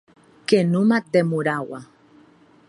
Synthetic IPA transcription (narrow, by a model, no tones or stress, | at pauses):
kenumad̪emuɾawa